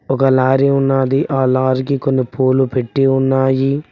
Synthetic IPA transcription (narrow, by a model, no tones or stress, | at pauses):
ɔkɐlaːɾiunːaːd̪iʔaːlaːɾikikonːipoːlupeʈːiunːaːji